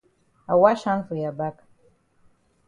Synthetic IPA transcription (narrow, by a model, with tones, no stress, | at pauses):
a˨wa˦ʃa˦nfu˨ja˨ba˦kʼ